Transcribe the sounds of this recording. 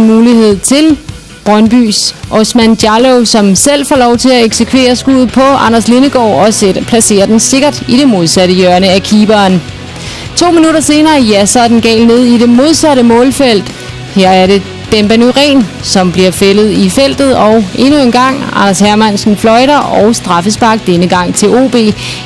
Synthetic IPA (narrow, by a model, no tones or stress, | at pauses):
nmuːlihe̝ð̞̰ˠt͡sʰe̝l | b̥ʁɶnb̥y̰ːsʔɒsmænd̥jɑloʊsɒ̽msel̰fɒ̰lɒʊt͡sʰe̝læeɡ̥sekʰʋe̝̰ːɐsɡ̥uð̩ˠpʰɒ̽ɑ̈nɐsle̝nəɡ̥ɒ̰ːɒ̽spʰlæse̝̰ːɐd̥ense̝ɡ̥ɐd̥iɾ̥e̝mo̝ð̞ˠsæɾəjɶɐnəækʰiːb̥ɐːn | t͡sʰo̝̰ːminuɾɐse̝ːnɐːjæsɒd̥enɡ̥ɛ̰ːlne̝ð̰ˠide̝mo̝ð̞ˠsæɾəmɔ̽ːlfel̰d̥ | hæɐ̰æɐɾe̝ | d̥emb̥ænyʁɛ̰ːn | sɒ̽mb̥liɐfelð̞̩ˠifel̰d̥ð̩ˠɒ̽ʊe̝nue̝nɡ̥ɑ̈ŋ̰ɑ̰̈nɐshæɐmænsn̩flɒ̽ɪɾɐɒʊsd̥ʁɑ̈fəsb̥ɑ̈ɡ̥̚d̥enəɡ̥ɑ̈ŋ̰t͡sʰe̝lo̝̰ːb̥e̝̰ː